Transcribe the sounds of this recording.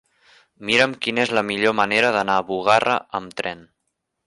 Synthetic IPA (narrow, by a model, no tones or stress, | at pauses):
miɾəmkinezləmiʎoməneɾəðənaːβuɣ̞arə̰əmt̪ɾɛn